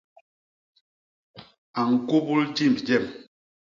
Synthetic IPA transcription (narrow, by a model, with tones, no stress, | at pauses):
a˨ŋ̩˨ko˦bu˦ld͡ʒi˦˨mbd͡ʒɛ˦˨m